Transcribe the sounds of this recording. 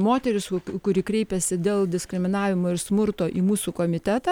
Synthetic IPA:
moːt̪ʲɛɾʲɪskʊɾʲiːkɾʲɛɪpʲɛsʲɪd̪ʲeːlˠd̪ʲɪskɾʲɪmʲɪnɑːʋʲɪmoːɪɾsmʊɾt̪oːʔiːmuːsuːkoːmʲɪt̪ʲæt̪ɑ

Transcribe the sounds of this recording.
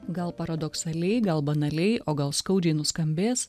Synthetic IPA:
ɡɐlˠpɐɾɐd̪ɔksɐlʲɛɪɡɐlˠbɐnɐlʲɛɪʔoːɡɐlˠskɐʊd͡ʒʲɛɪnʊskɐmʲbʲeːs

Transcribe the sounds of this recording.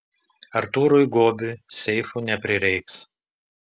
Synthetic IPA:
ɐɾt̪uːɾʊjɡoːbʲɪsʲɛɪfuːnʲɛpʲɾʲɪɾʲɛɪks

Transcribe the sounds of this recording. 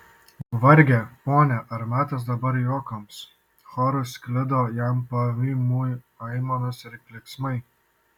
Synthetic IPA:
ʋɐɾʲɡʲepoːnʲɛʔɐɾmʲæːt̪ɐs̬d̪ɐbɐɾjoːkɐms | xɔɾʊsʲkʲlʲɪd̪oːjæmpɐʋʲiːmuːj | ɐɪmonɐsɪɾkʲlʲɪksmɐɪ

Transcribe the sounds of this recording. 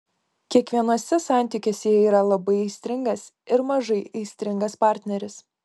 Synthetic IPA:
kʲiɛkʋʲiɛnoːsʲɛsɑˑnʲt̪ʲɪkʲeːsʲɛɛiːɾɐlˠɐbɐɪɛɪsʲt̪ʲɾʲɪŋɡɐs | ɪɾmɐʒɐɪɐɪsʲt̪ʲɾʲɪŋɡɐspɑːˑɾʲt̪ʲnʲɛɾʲɪs

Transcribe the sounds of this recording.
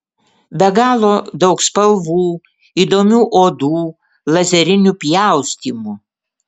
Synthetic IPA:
bʲɛɡɑːlˠoːd̪ɒʊkspɐlˠʋuː | iːd̪oːmʲuːʔoːd̪uː | lˠɐzʲɛɾʲɪnʲupʲjæˑʊsʲt̪ʲiːmu

